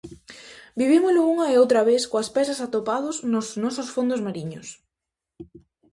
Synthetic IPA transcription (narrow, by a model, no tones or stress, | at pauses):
biβimʊzlʊuŋɐeowt̪ɾɐβeskoɐspɛsɐsat̪opaðʊznosnɔsʊsfond̪ʊzmaɾiɲʊs